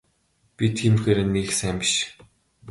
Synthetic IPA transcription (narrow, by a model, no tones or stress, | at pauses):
pʲit̪ʰiːmxeːɾĕnːixsæːmpɪʃ